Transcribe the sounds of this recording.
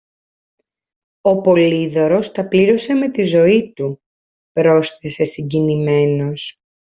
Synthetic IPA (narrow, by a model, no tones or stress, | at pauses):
o̞po̞liðo̞ɾo̞st̪ɐpliɾo̞se̞me̞t̪izo̞it̪u | pɾo̞sθese̞siɲɟinime̞no̞s